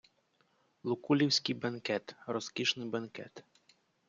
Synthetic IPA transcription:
lˠʊkulʲiwsʲkɪjbɐnkɛt̪rɔskʲiʃnɪbɐnkɛ̰t̪

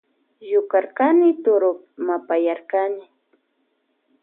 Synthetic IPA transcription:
jʊkaɾkanɪt̪ʊɾʊp | mapajaɾkanɪ

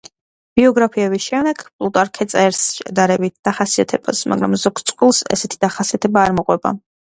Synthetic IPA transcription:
b̥iɔɡɾapʰiɛbisʃɛmd̪ɛɡ̥pʼlˠut̪ʼaɾkʰɛt̪sʼɛɾsʃɛ̰d̪aɾɛbit̪̚ʰd̪̥aχasiat̪ʰɛba̰sma̰ɡɾa̰mzɔkt̪sʼqʼwilˠsɛ̰sɛt̪ʰid̪̥aχasiat̪ʰɛbaːɾmɔqʼwɛba̰

